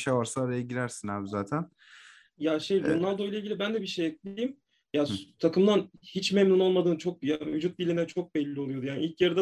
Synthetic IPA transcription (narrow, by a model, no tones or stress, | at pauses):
ʃavaɾsaːɾajaɟilʲæɾsinaːbizaːt̪ʰæn | jaʃejɾonalˠd̪o̞ijlˠaiɟʲilʲibænd̪ɛbiʃejɛclʲiejim | jast̪ʰakɯmd̪anhit͡ʃmɛmnuno̞lˠmad̪ɯːnt͡ʃʰo̞k̚javyd͡ʒut̪̚bilʲinɛt͡ʃʰo̞k̚bɛlʲːiolˠujo̞d̪ujaːniilʲcjaɾɯd̪a